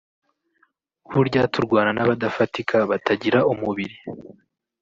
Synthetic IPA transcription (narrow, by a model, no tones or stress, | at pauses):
huɾɟaːtuɾɡwaːnanaβadafatikʰaβatʰaɟiɾaʔumuβiɾi